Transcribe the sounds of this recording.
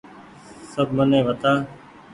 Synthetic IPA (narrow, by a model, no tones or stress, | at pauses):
səbmənẽːʋət̪aː